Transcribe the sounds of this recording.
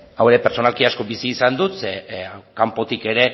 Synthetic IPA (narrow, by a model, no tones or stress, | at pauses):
awe̞ɾepeɾt͡so̞nalkiasko̞bisiːsand̪ut̪sekampo̞t̪ike̞ɾe̞